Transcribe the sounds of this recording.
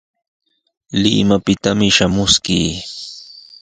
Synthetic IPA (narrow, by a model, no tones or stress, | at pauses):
lɪ̰mapɪt̪amɪʃamʊskiː